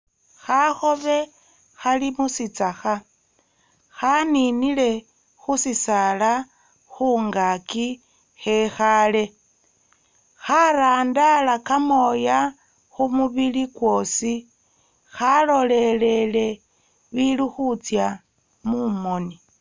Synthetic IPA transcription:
xaxoβe̞ | xalimusit͡saxa | xaninile̞ | xusisala | xuːŋɡaki | xexale̞ | xaɾaːndalakamo̞ja | xumuβilikwo̞ːsi | xalo̞lelele | βiluxut͡sja | mumo̞ni

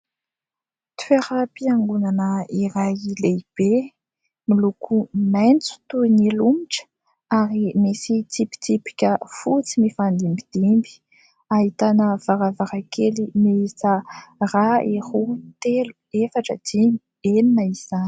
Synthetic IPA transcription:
t̪u̥feɾəpiaŋɡunanəiɾajileib̥e | milukʰumajnt͡su̥t̪uinilumiʈ͡ʂ | aɾimesit̪ipi̥t̪ipi̥kʲəfut͡simifand̪imbid̪̥imbi̥ | aɦit̪anəv̥aɾavaɾakʰelimeisaraehut̪elu | efaʈ͡ʂəd̪̥ini | eninaiz̥ani̥

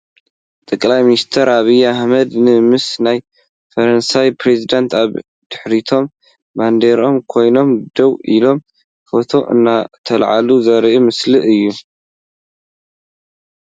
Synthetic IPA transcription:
t̪ʼɐkʼlajminist̪ʰɐɾʔaβijaħmɐd̪nɨmɨsnaj | fɐɾɐnsajpʰɾezid̪ant̪ʰaβ | d̪̥ɨħɾit̪ʰo̞mː | and̪eɾo̞mkʰo̞jno̞md̪ɐwʔilo̞m | fo̞t̪ʰo̞ʔɨ̰nːat̪ʰɐlʕa̰luzɐɾʔumɨslɨʔɨjːu

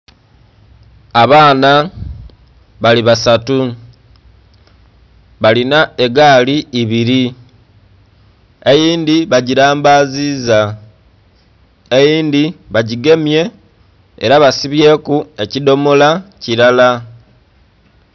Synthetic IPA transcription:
aβaːna | βaliβasatu | βalinae̞ɡaːliːβiɾi | e̞jiːndiβaɟiɾaːmbaːziːza | e̞jiːndiβaɟiɡe̞mje̞ | eɾaβasiβje̞ːkue̞cido̞molaciɾala

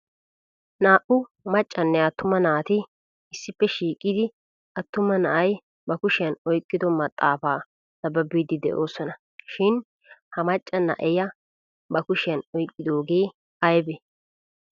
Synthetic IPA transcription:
naːʔʊmɐt͡ʃʼːɐnːɛɐt̪ːʊmɐnaːt̪ɪ | ɪsːɪpːɛʃiːkʼːɪd̪ɪ | ʔɐt̪ːʊmːɐnɐʔɐj | bɐkʊʃɪjɐnɔjkʼːɪd̪ɔmɐt̪ʼːaːfaː | sɐbɐbiːd̪ɪd̪ɛ̰ʔo̞ːsɔnɐ | ʃɪn | hɐmɐt͡ʃʼːɐnɐ̰ʔɛjɐ | bɐkʊʃɪjɐnɔjkʼːɪd̪o̞ːɡe̞ː | ɐjbɛ

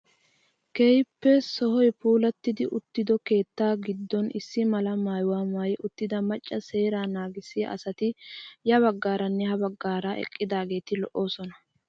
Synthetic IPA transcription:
kejpːɛsɔɦɔjpuːlɐt̪ːɪd̪ɪʔʊt̪ːɪd̪ɔke̞ːt̪ːaːɡɪd̪ːɔnɪsːɪmɐlɐmaːjwaːmaːjʔʊt̪ːɪd̪ɐmɐt͡ʃʼːɐse̞ːɾaːnaːɡɪsɪjɐ̰ʔɐ̰sɐt̪ɪjɐβɐɡːaːɾɐnːɛhɐbɐɡːaːɾaʔɛ̰kʼːɪd̪aːɡe̞ːt̪ɪlɔʔo̞ːsɔnɐ

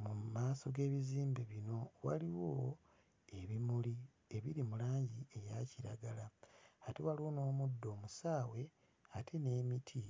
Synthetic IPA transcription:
mumaːso̞ɡe̞ːβiziːmbeβino̞wa̰liwo | e̞βimuli | e̞βiɾimulaːɲɟie̞jaciɾaɡalahatewaliwo̞no̞ːmudːo̞ːmusaːwe̞ | atʰene̞ːmitʰi

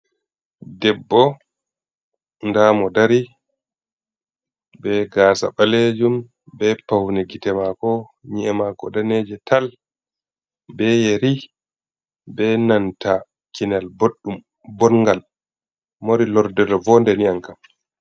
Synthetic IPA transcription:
dɛbːɔ | ndamɔdaɾi | bɛɡaːsa̰ɓaled͡ʒum | bɛpawnɛɡitɛmakɔ | ɲiɛmaɡɔdaned͡ʒɛtal | bɛjeɾi | bɛnanta | kinalboɗːum | bɔnŋɡal | moɾilɔɾdɛɾɔvɔndɛniaŋkam

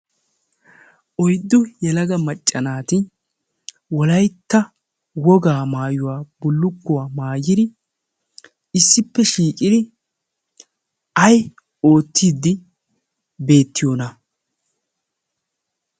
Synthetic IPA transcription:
ʔɔjd̪ːʊjɛlɐɡɐmɐt͡ʃʼːɐnaːt̪ɪ | wɔlɐjt̪ːɐ | wɔɡaːmaːjʊwaːbʊlːʊkːʊwaːmaːjɪd̪ɪ | ɪsːɪpːɛʃiːkʼɪd̪ɪ | ɐj | o̞ːt̪ːiːd̪ːɪ | be̞ːt̪ːɪjoːnɐ

